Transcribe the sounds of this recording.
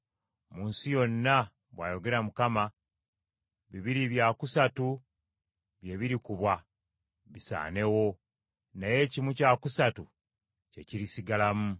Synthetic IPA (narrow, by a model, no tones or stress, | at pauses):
muːnsijo̞nːa | βwaːjo̞ɡe̞ɾamukama | βiβiɾiβjakusatu | βje̞βiɾikuβwa | βisa̰ːne̞wo̞ | naje̞cimucakusatu | ce̞ciɾisiɡalamu